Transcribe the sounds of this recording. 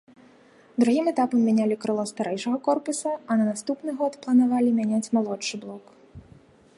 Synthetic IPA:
d̪ɾuɣʲimɛt̪apɐmːʲanʲalʲikɾɨlˠɔst̪aɾɛjʂɐɣɐkɔrpusɐɐnɐnast̪upnɨɣɔt̪plˠɐnavalʲimʲanʲat͡sʲmalˠɔt͡ʂt͡ʂːɨblˠɔk

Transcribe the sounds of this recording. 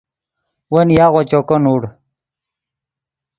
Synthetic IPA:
wɐnjaːɣot͡ɕokonuɽ

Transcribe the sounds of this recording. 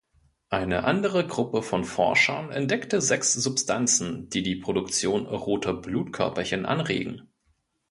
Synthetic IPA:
ʔaɪnəʔandəʁ̞əɡʁʊpəfɔnfɔ̰ɐʃɐnʔɛ̰ntd̥ɛktəzɛksz̥ʊpstʰant͡sn̩d̥iːdiːpʁ̥odʊkt͡sjoːnʁoːtʰɐbluːtkʰœɐpɐçɪnʔa̰nʁḛːɡŋ̩

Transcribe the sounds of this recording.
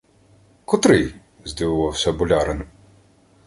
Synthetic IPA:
kɔt̪ɾɪj | zʲd̪ʲiʋʊʋɑwsʲɐbʊlʲaɾɪn

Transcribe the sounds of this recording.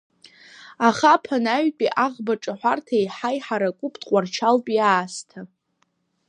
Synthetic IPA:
aχapʰanaɥpʼiʔaʁbaʈ͡ʂʼaħʷartʰaiħajħaɾakʷʼupʰʼdqʷʼart͡ʃʰalpʼiaːstʰa

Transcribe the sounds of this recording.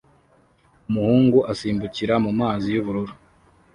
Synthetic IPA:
umuhuːŋɡuʔasiːmbuciɾamumaːzijuβuɾuɾu

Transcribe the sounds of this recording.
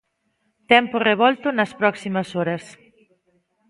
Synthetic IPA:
t̪ɛmpʊreβ̞ɔlt̪ʊnɐspɾɔksimɐsɔɾɐs

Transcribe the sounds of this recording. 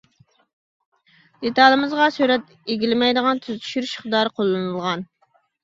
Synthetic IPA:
d̪̥et̪ɑlˠɨmɨzʁɑsyɾɛt̪ | eɡʲilɪmɛjd̪əʁɑnt̪ʰyzt̪ʰy̥ʃyɾʃχd̪ɑɾqʰolˠːɨnɨlˠʁɑn

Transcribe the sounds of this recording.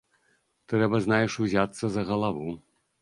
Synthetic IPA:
t̪ɾɛbɐznajɛʂuzʲat̪sːɐzɐɣɐlˠavu

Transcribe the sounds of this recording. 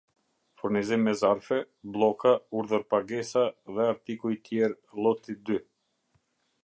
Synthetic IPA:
fuɾnizimːɛzaɾfɛ | blˠɔkauɾðəɾpaɡɛsaðɛaɾt̪ikuit̪jɛɾ | lˠɔt̪id̪y

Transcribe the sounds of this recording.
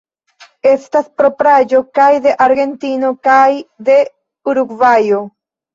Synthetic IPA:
e̞staspɾo̞pɾad͡ʒo̞kajd̪e̞ʔaɾɡe̞nt̪ino̞kajd̪e̞ | uɾuɡvajo

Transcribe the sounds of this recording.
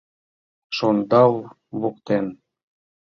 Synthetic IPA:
ʃond̪ɑw | βuq̚t̪en

